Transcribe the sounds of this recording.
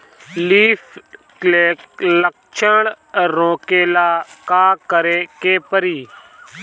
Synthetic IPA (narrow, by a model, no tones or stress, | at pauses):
liːf | leːklək | t͡ʃʰəɳ | ɾõːkeːlaːkaːkəɾeːkeːpəɾiː